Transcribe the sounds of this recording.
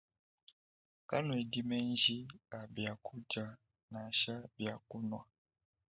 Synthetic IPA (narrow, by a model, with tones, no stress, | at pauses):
ka˦nwe˨di˦mɛ˦nd͡ʒi˦a˨bja˨kʰu˦d͡ʒa˨ | na˨ʃa˦bja˨ku˦nwa˨